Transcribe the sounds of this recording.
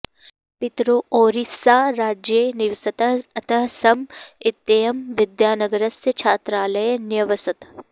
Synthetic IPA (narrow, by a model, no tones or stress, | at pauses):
pɪt̪ɾoʔoːɾisaːɾaːd͡ʒjenɪʋsɐt̪ɐɐt̪ɐɦsɐmɪt̪ːejɐmʋɪd̪jaːnɐɡɐɾɐsjɐt͡ʃʰaːt̪ɾaːlɐjenjɐʋɐsɐt̪